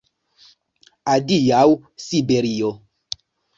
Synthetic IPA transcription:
adijawsibeɾio

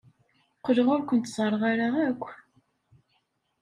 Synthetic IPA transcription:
qələʁʊɾkʷənt̪sˤərˤːəʁaɾaʁækʷː

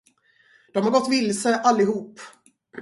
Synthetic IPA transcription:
d̪̥ɔmhaɾɡɔt̪ːvɪlsəʔalːɪhuːp

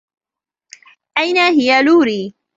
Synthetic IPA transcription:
ʔajnaɦɪjaluːɾiː

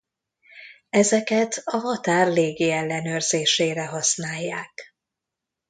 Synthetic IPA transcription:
ɛzɛkɛt̪ɒɦɒt̪aːrleːɡiɛlːɛnøːrz̥eːʃeːɾɛɦɒsnaːjːaːk

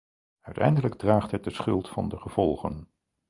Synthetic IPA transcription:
œɥtɛ̰jndələɡ̚draːχtɦɛt̚dəsχɵlˠtfɑ̰ndəχəv̥ɔlˠχə̰n

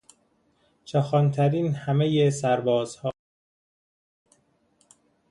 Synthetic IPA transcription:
t͡ʃʰɒxɒnt̪ʰæɾiːnhæmejesæɾbɒːz̥hɒː

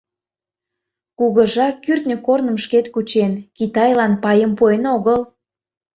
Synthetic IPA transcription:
kuɣəʒɑkːyrt̪nʲəkornəmʃket̪kut͡ɕenkit̪ɑjlɑnpɑjəmpuenoɣəl

